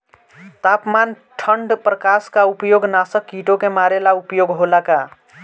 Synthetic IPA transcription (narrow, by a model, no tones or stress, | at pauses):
t̪apman | ʈʰəɳɖpɾəkaskaupjoɡnasəkːiʈokemaɾelaupjoɡɦolaka